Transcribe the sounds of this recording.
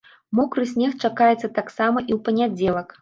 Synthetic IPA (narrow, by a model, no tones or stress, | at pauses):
mɔkɾɨsʲnʲɛxt͡ʂakajɛt̪sːɐt̪aksamɐʔiwpɐnʲad͡zʲɛlˠɐk